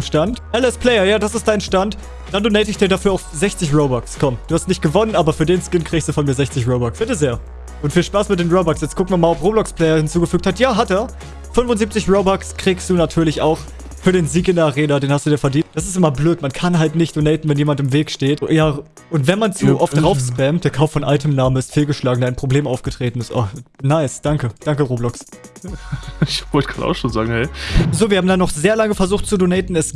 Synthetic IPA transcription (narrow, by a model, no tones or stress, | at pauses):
ʃtantʔɛlɛspʰlɛɪɐjaːdasɪstd̥aɪnʃtant | d̥andoːnɛɪtɪçd̥iːɐdafyːɐaʊfzɛçt͡sɪçʁoʊbɔkskʰɔmd̥uːhastnɪçt̚ɡ̥əvɔnənʔaːbɐfyːɐdeːnskɪnkʁ̥iːɡstd̥uːfɔnmiːɐzɛçt͡sɪçʁoʊbɔksb̥ɪtəzeːɐ | ʔʊntfiːlʃpaːsmɪt̚d̥eːnʁoʊbɔksjɛt͡skʊkŋ̩viɐmaːlɔfʁoːblɔkspʰl̥ɛɪɐhɪnt͡suːɡəfyːk̚thatjaːɦatɛːɐ | fʏnvʊnziːp̚t͡sɪçʁoʊbɔkskʁ̥iːkstd̥uːnatʰyːɐlɪça̰ʊx | fyːɐɾeːnziːkɪndeːɐʔaʁeːnadeːnhastd̥uːdaːfɛɐdiːntd̥asɪstʔɪmɐbløːtmankʰanɦaltnɪçtd̥onɛɪtn̩vɛnjeːmantɪmveːkʃteːtjaː | ʊntv̥ɛnmant͡suːʔɔfd̥ʁaʊfspɛmtd̥eːɐkʰaʊfːɔnʔaltʰəmnaːmənɪstfiːlɡəʃlaːɡŋ̩daɪnpʁ̥obleːmʔaʊfɡ̥ətʁ̥eːtn̩ɪstʔa̰χnaɪsd̥aŋkəd̥aŋkəʁoːblɔks | ɪçvɔtɡa̰na̰ʊxʃoːnzaːɡŋ̩hɛɪzoːviɐhaːmdanːɔχz̥eːɐlaŋəfɛɐzuːxtt͡sudonɛɪtn̩ɛs